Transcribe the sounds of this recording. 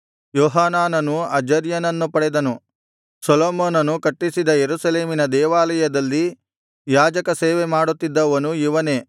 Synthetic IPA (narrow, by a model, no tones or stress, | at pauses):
jɔːɦaːnaːnɐnuɐd͡ʒɐɾjɐnɐnːupɐɽɛd̪ɐnu | sɐloːmoːnɐnukɐʈːisid̪ɐjeɾusɐleːminɐd̪ɛːʋaːlɐjɐd̪ɐlːi | jaːd͡ʒɐkɐseːʋemaːɽut̪ːid̪ːɐʋɐnuiʋɐne̞ː